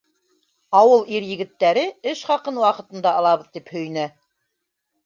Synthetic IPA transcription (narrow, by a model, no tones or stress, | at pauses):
ɑwɤlˠiɾjɘ̆ɡɘ̆t̪ːæɾɘɘʃχɑqɤnwɑqɤ̆t̪ɤ̆nd̪ɑɑlˠɑβɤ̆ðt̪iphɵ̆jnæ